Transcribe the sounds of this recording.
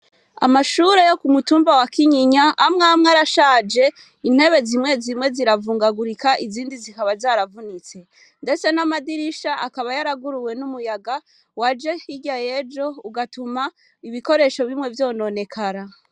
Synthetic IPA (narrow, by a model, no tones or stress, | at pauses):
a̰maʃuɾe̞jo̞kumutuːmbawakʰiɲiɲaamŋamŋaɾaʃad͡ʒe̞ | in̥he̞βe̞zimŋe̞zimŋe̞ziɾavuːŋɡaɡuɾikaʔiziːndizikaβazaːɾavunit͡se̞ | nde̞t͡se̞namadiɾiʃaʔakaβajaɾaɡuɾuwe̞numujaɡa | wad͡ʒe̞iɟaje̞d͡ʒo̞uɡatuma | iβiko̞ɾe̞ʃo̞βimŋe̞vjo̞no̞ne̞kʰaɾa